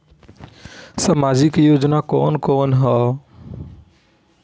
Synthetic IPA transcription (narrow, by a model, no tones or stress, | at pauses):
samaːd͡ʒɪkjoːd͡ʒnakɔːnkɔːnɦɔː